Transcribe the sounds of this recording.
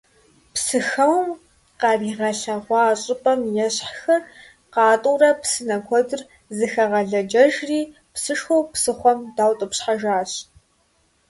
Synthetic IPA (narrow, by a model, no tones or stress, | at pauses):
psɨxɐwm | qɑriːʁɐɬɐʁʷɑːɕʼɪpʼɐmjɛɕħxɐr | qɑːtʼuːrɐpsɨnɐkʷʰɔdɨr | zɨxɐʁɐɮɐd͡ʒɐʒriː | psɨʂxowpsɨχʷɔmdaːwtʼɨpɕħaʒaːɕ